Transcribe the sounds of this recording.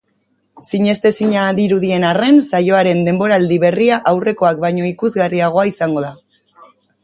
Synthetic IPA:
siɲe̞st̪e̞siɲaðiɾuðie̞nare̞nsajo̞aɾe̞nd̪e̞mbo̞ɾald̪iβe̞riaʔawre̞ko̞ak̚bajɲo̞ikuzɣariaɣ̞o̞aisaŋɡo̞ða

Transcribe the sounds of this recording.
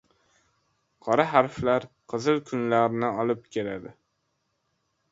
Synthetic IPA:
qʰɒɾaɦaɾflaɾqʰɨzɨlˠkʰʊnlaɾnɪɒlˠɪp̚kʲʰe̞lad̪ɪ

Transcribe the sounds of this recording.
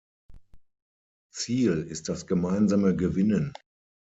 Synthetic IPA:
t͡siːlɪst̚d̥asɡ̥əmaɪnzaməɡəvɪnən

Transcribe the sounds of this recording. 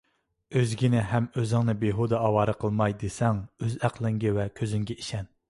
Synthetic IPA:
øzɡʲinɪɦɛmøzɪŋnɨbeɦud̪ɑɑwɑːɾɨqʰəlˠmɑjd̪esɛŋøzæqʰlˠɪŋɡʲɛwɛkʲʰøzyŋɡʲɛiʃɛn

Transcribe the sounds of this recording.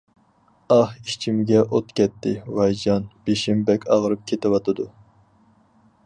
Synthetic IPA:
ɑhiʃt͡ʃʰimɡʲɛʔot̪kʲʰɛt̪ːɪwɑjd͡ʒɑnb̥eʃɪmbɛkʲɑʁɾɨp̚kʲʰet̪ɪwɑt̪ʰɨd̪u

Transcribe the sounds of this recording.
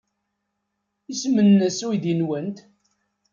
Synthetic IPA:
isəmːənːəsuiðinwənt̪

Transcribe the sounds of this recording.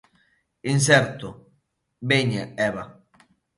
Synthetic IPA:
ins̬ɛɾt̪ʊ | beɲaɛβa

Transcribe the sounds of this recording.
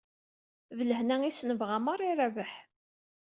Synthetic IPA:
vələhnæisnəvʁamərˤiɾævəħ

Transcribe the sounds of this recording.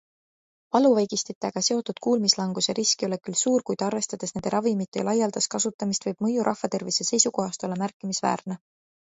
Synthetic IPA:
vɑluvɑjɡ̥ist̪it̪ːˑeɡ̥ɑse̞o̞t̪ːud̪̥kuːlmislɑŋɡ̥useɾiskio̞le̞kylsuːrkujd̪̥ɑrve̞st̪ɑd̪̥esned̪̥ɾɑvimit̪ːˑejɑ̰lʔɑjːɑld̪̥ɑskɑsut̪ːˑɑmist̪vɤjb̥mɤjuɾʔɑ̰hvɑt̪e̞rvise̞se̞jsuko̞ɦɑst̪o̞lːɑmærkːˑimisvæ̰ːrne

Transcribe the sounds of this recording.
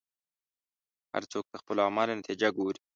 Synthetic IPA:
ha̰ɾt͡soːk̚t̪axpəlɑːmɑlenat̪ʰid͡ʒaɡuːɾi

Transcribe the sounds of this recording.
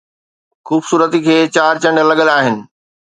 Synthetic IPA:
xuːbsuːɾət̪ikʰeːt͡ɕaːɾt͡ɕɐ̃ɳɖəlɐɠəlaːɦɪnɪ̆

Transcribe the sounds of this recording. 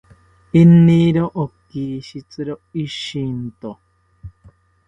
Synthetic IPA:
inːiɾoʔokiʃit͡sɨɾoiʃint̪o

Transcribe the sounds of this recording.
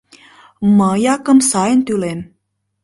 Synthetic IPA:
məjakəmsaent̪ulem

